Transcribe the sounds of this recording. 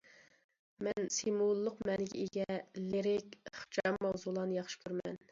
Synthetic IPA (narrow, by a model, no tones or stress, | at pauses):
mɛnsemulˠːʊqmɛnɪɡʲɛ̰eɡʲɛleɾɪkʲχt͡ʃʰɑmːɑwzulˠɑnɨjɑχʃɪ̥kʰyɾmɛ̰n